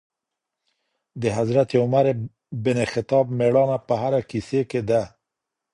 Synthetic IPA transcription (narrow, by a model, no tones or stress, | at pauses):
d̪əɦazɾat̪eʊmaɾe | bɪnexɪt̪ɑbmeɽɑnapəɦaɾakiseked̪a